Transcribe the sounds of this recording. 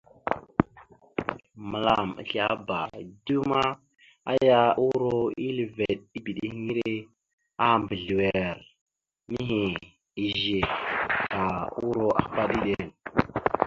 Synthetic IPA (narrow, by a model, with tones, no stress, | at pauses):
mə˨la˨mə̰˨ɬa˦ba˨du˦ma˦ | a̰˦ja˦u˦ɾo˦i˦li˨ve˨ɗ̚i˦bi˨ɗi˦hŋi˦ɾe˦ | a˦mbə˨ɮi˨we˨ɾ | mi˦ɦi˨ | i˨ʒe˨ | a˨u˦ɾo˦ʔa̰˨˦pa˦ɗi˦ɗe˨n